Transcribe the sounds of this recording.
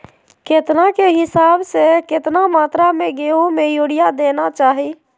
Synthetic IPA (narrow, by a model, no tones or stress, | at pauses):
kɪt̪nakeɦɪsaːbsekɪt̪namaːt̪ɾamẽɡeːõmẽjʊːɽijad̪eːnat͡ʃaːɦi